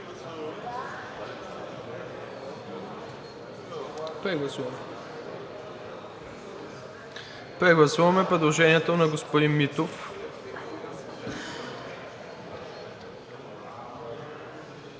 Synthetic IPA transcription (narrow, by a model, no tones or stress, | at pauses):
pɾɛɡlˠɐsuvɐmɛ | pɾɛɡlˠɐsuvɐmɛpɾɛd̪lˠoʒɛniɛt̪onɐɡospod̪inmit̪of